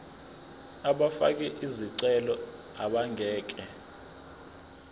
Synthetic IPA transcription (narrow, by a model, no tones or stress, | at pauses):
aɓafa̰k̬ɛʔiziǀɛlɔ | aɓaŋʱɛːk̬ɛ